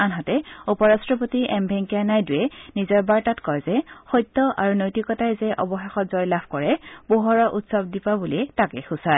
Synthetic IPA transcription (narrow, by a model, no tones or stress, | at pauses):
anɦatɛupɔɹastɹɔp̬otiʔɛmbʱɛŋkianajdujɛnizɔɹbaɹtatkɔjzɛxɔjtːɔʔa̰ɹunojtikɔtajzɛʔɔbɔxexɔtzɔjlab̥ʰʱkɔɹɛboɦɔɹɔʔutsɔb̚dipabuliɛtakɛ̰xusa